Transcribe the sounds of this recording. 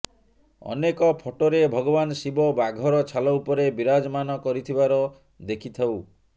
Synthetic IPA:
ɔ̰nekɔpʰoʈoɾebʱɔɡɔbansibɔbaɡʱɔɾɔt͡ʃʰalɔupɔɾebiɾad͡ʒɔmanɔkɔɾit̪ʰibaɾɔ | d̪ekʰit̪ʰaw

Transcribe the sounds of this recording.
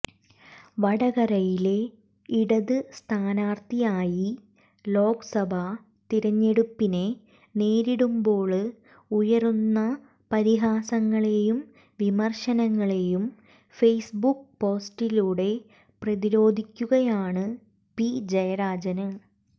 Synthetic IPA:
ʋɐɽɐɣɐɾɐjile̞ | iɽɐðɨst̪ʰaːnaːrt̪ijaːji | lo̞ːɡsɐbʱɐ | t̪iɾɐɲːe̞ɽupːine̞ | neːɾiɽumbo̞ːɭ | ujɐrunːɐ | pɐɾiɦaːsɐŋːɐɭejum | ʋimɐrʂɐnɐŋːɐɭejum | fejsbuk̚po̞ːsʈiluːɽe̞ | prɐðiɾo̞ːd̪ʱikʲːuɣɐjaːɳɨ | pid͡ʑɐjɐɾaːd͡ʑɐnɨ

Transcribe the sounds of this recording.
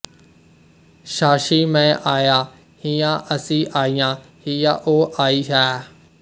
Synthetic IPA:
ʃaːʃimẽʔaːja | hijãʔɐsĩʔaːijã | hijãʔoːʔaːiɦaː

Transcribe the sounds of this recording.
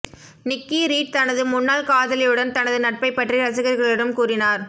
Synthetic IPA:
nɪkːiɾiːʈ̚t̪ɐnɐðɯmʊnːaːlkaːðɐlɐjɯɽɐnt̪ɐnɐðɯnɐʈ̚pɐɪpːɐʈriɾɐsɯɣɐɾɣɐɭɪɽɐmkuːrɪnaːɾ

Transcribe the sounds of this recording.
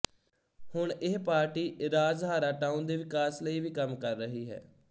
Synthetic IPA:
hʊɳɪɦpaːɾʈiːʔɾaːzɦaːɾaːʈaːund̪eːʋɪkaːsləiːʋiːkəmkəɾːəɦiːɦɛ̰ː

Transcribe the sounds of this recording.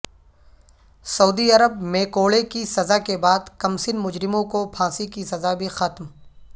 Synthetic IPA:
sɐuːd̪iɐɾəb̚mẽkoːɭekisɐzakebaːd̪kɐmsɪnmʊd͡ʒɾɪmõkopʰãːsikisɐzabʱixɐt̪m

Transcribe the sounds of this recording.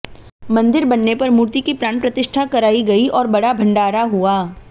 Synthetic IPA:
mɐ̃nd̪ɪɾbɐnːepɐɾmuːɾt̪ikipɾaːɳpɾɐt̪ɪʃʈʰakɐɾaːiɡɐiʔɔːɾbɐɽabʱɐ̃ɳɖaːɾaɦuaː

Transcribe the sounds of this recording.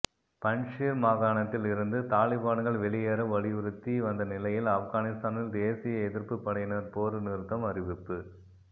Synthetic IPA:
pɐɳʂiːɾmaːɣaːɳɐt̪ːɪlɪɾɯnd̪ɯt̪aːlɪbaːnɣɐɭʋɛɭɪjeːɾɐmʋɐɭɪɯɾɯt̪ːiʋɐnd̪ɐnɪlɐjɪlɐfɣaːnɪst̪aːnɪld̪eːsɪjɐɛðɪɾpɯpːɐɽɐjɪnɐɾpoːɾɯnɪɾɯt̪ːɐmɐrɪʋɪpːɯ

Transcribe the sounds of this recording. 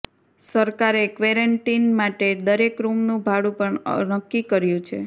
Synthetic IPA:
səɾkaɾekʋeɾəɳʈinmaʈed̪əɾekɾumnũbʱaɽũpəɳnəkːikəɾjũt͡ʃʰḛ

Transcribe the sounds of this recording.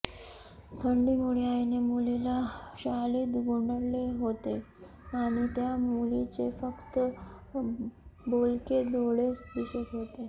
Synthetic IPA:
t̪ʰəɳɖimuɽiajnemulilaɕaliːd̪ɡuɳɖəɾleɦot̪e | aɽ̃it̪jamulit͡ɕefəkt̪ə | bolked̪oɽesd̪isət̪ɦot̪e

